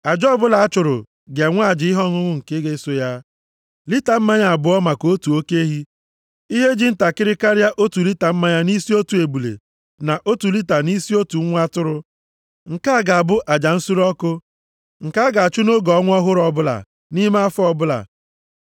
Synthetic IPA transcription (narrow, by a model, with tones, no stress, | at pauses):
a˨d͡ʒɔ˦bʊ˦la˨a˦t͡ʃʊ˨ɾʊ̰˨ | ɡe˨ŋʷ˦a˦˨d͡ʒɪ˨˦ɪ˦ɦɔ˦ŋʊ˦ŋʷʊ˦ŋ̩˨ke˦ɡe˦so˦ja˦ | li˦ta˨m̩˦ma˦ɲa˨a˨bʊ˨ɔ˦ma˨ko˦tu˨o˦ke˦ɦi˦ | i˦ɦe˦d͡ʒi˦n̩˦ta˨kɪ˦ɾɪ˦ka˦ɾja˦ʔo˦tu˨li˦ta˨m̩˦ma˦ɲa˦ni˦si˦o˦tu˨e˨bu˨lḛ˨ | na˨ʔo˦tu˨li˦ta˨ni˦si˦o˦tu˨˦ŋʷ˦a˦tʊ˦ɾʊ˦ | ŋ̩˨ka˦a˦˨ɡa˨a˨bʊ˦ʔa˨d͡ʒa˨n̩˦su˦ɾɔ˦kʊ˦ | ŋ̩˨ka˦a˦ɡa˨a˨t͡ʃu˦no˦ɡɔ˨˦ŋʷ˦ɔ˦ɦʊ˦ɾɔ˦bʊ˦la̰˨ | ni˦ma˦a˦fɔ˦bʊ˦la̰˨